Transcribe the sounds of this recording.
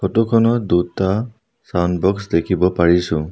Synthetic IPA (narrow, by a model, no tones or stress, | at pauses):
kʰɔtukʰɔnɔd̪uta | sanbɔksd̪ekʰibɔpaɹisũ